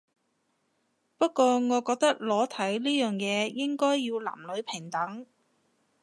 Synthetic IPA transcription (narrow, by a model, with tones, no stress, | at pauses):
pɐ˥t̚kɔː˧ŋɔː˨˧kɔː˧k̚t̪ɐ˥k̚lɔː˨˥t̪ʰɐ˨˥jliː˥jœː˨ŋjɛː˨˧jɪ˥ŋkɔː˥jːiː˧wla̰ː˨˩mlɵ˨˧ɥpʰɪ˨˩ŋt̪ɐ˨˥ŋ